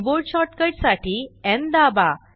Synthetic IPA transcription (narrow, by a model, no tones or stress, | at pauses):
boɾʈɕɔʈkəʈsaʈʰiːɛ̃nd̪aba